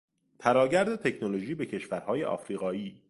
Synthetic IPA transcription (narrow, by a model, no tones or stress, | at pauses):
t̪ʰæɾɒːɟæɾd̪et̪ʰe̞cʰnoloʒiːbe̞cʰe̞ʃvæɾhɒːje̞̰ʔɒ̰ːfɾiːɣɒːiː